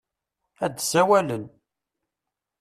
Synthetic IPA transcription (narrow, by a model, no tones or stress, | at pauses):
æd̪sæwælən